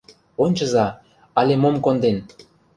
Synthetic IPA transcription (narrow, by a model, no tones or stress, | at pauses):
onʲt͡ɕə̆zɑ | ɑlʲemomkond̪en